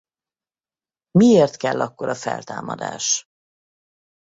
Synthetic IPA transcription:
mieːrt̪kɛlːɒkːo̞ɾʔɒfɛ̰lt̪aːmɒd̪a̰ːʃ

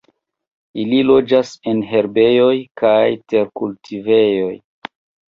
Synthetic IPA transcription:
ililo̞d͡ʒase̞nɦe̞ɾbe̞jo̞jkajte̞ɾkultʰive̞jo̞j

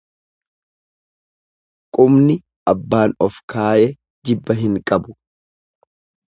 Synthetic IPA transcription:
kʼʊmnɪ | ɐbːaːnɔfkʰaːʔɛ | d͡ʒɪbːɐɦɪŋkʼɐbʊ

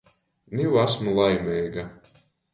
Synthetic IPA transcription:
niwasmulˠajmʲɛjɡa

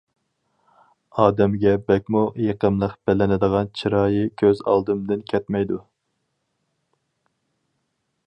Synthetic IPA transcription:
ɑːd̪ɛmɡʲɛbɛkʲmujeqəmlˠəqb̥ɛlɪnɪd̪əʁɑnt͡ʃʰiɾɑːjɨkʲʰøzɑ̰lˠd̪ɨmd̪ɨnkʲʰɛt̪mɛjd̪u

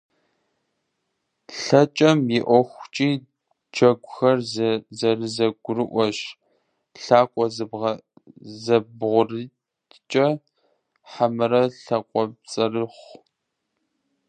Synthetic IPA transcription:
ɬɐt͡ʃʼɐmjɪʔʷɔxʷt͡ʃʼiː | d͡ʒɐɡʷʊxɐrzzɐrɨzɐɡʷʊrɨʔʷɔɕ | ɬaːkʷʼɔzbʁɐ | zɐbʁʷʊrɨ | t͡ʃʼɐ | ħamɨɾɐɬɐkʷʼɔb̚t͡sʼɐrɨχʷ

